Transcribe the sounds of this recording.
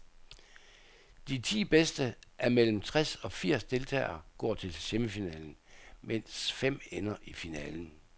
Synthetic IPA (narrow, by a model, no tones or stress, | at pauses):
d̥it͡sʰḭːb̥esd̥əʔæɐmel̰m̩t͡sʰʁasɒ̽fiɐ̰sd̥e̝lt͡sʰɛ̰ːɪɐːɡ̥ɒ̰ːt͡sʰe̝lseməfinɛ̰ːln̩men̰sfem̰enɐʔifinɛːln̩